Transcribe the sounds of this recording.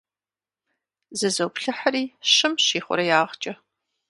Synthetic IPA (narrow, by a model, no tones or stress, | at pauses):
zɨzɐwpɬɨħaɾiːɕɨmɕiːχʷʊ̰ɾɐjaːʁt͡ʃʼɐ